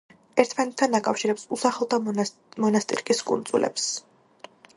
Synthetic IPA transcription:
ɛɾt̪ʰmanɛt̪ʰːanakʼafʃiɾɛpsusaχlɔt̪ʰa | mɔnast̪ʼḭɾkʼiskʼṵnd̪zʼulʔɛ̰ps

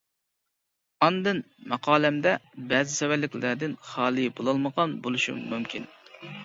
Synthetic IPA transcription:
ɑnd̪ɨn | mɑqʰɑːlɛmd̪ɛbɛzɪsɛwælːɪkʲlæd̪ɪnχɑːlˠɨbolˠɑlˠməʁɑnbolˠuʃṵmmumkʲin

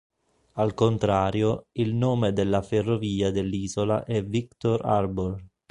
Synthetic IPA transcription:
alkont̪ɾaːɾjoilnoːmed̪elːaferːoviːad̪elːiːzola̰ʔɛvikt̪oɾa̰rbor

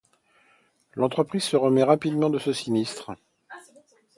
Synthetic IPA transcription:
lɑ̃t̪χəpχiz̥səʁəmɛʁapid̪mɑ̃d̪əsəsinist̪χ

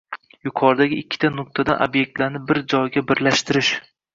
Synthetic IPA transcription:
jʊqʰɒɾd̪aɡʲɪːkʲʰːɪ̥t̪ʰanʊk̚t̪ʰad̪anʔo̰bje̞k̚ʲt̪laɾnɪbɪɾd͡ʒɒjɡʲabɪɾlaʃt̪ɪɾɪʃ

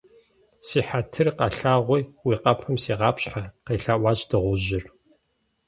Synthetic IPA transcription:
siːħatʰɨrqɐɬaːʁʷijwiːqɐpʰɨmsiːʁɑːpɕʼħaqeːɬaːʔʷɑːɕʼdɨʁʷʊʑɪr

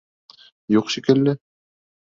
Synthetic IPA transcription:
juqʃikɘ̆lːɘ

